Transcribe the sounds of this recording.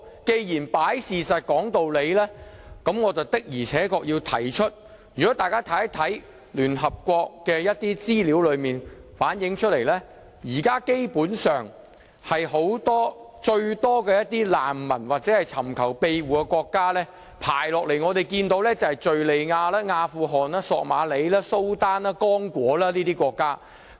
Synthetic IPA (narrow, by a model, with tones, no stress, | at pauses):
ke˧jjiː˨˩npaː˨˥jsiː˨˩sɐ˨t̚kɔː˨˥ŋt̪o˨wle˨˧jlɛː˥kɐ˨˥mŋɔː˨˧t͡sɐ˨wt̪ɪ˥k̚jiː˨˩t͡sʰɛː˨˥kɔː˧k̚jiː˧wt̪ʰɐ̰˨˩jt͡ʃʰɵ˥t̚ | jyː˨kɔː˨˥t̪aː˨jkaː˥t̪ʰɐ˨˥jt̪ʰɐ˨˥j | lyː˨˩nɦɐ˨p̚kʷɔː˧k̚kɛː˧jɐ˥t̚t̪iː˥t͡siː˥li˨˥wlɵ˨˧ɥmiː˨nfaː˨˥njɪ˨˧˥ŋt͡ʃʰɵ˥t̚le˨˩jlɛː˥ | jiː˨˩kaː˥ke˥jpuː˨˥nsœː˨ŋ | hɐ˨jɦo˨˥wt̪ɔː˥ | t͡ʃɵ˧ɥt̪ɔː˥kɛː˧jɐ˥t̪̚iː˥la̰ː˨˩mːɐ˨˩nwaː˨k̚t͡sɛː˨˥hɐ˨jt͡sʰɐ˨˩mkʰɐ˨˩wpe˧jwuː˨˩kɛ˧kʷɔː˧kːaː˥lɛː˥ | pʰa̰ː˨˩jlɔː˨k̚le˨˩jŋɔː˨˧t̪e˨jkiː˧nt̪o˨˥wlɛ˥t͡sɐ˨˩hɐ˨jt͡ʃɵ˨ɥle˨jŋaː˧laː˥ŋaː˧fuː˧ɦɔː˨˩naː˥sɔː˧k̚maː˨˧le˨˧jlaː˥so˥wt̪aː˥naː˥kɔː˥ŋkʷwɔː˨˥laː˥liː˥t̪iː˥kʷɔː˧kːaː˥